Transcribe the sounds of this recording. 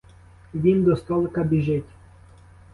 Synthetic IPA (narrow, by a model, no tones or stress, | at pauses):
ʋʲind̪ɔst̪ɔlˠkɐbʲiʒɪtʲ